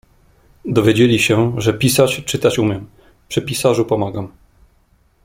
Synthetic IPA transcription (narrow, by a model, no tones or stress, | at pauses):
d̪ɔvʲjed͡ʑelʲiɕɛʐɛpʲisat͡ɕt͡ʂɘt̪at͡ɕumʲjɛm | pʂɘpʲisaʐupɔmaɡam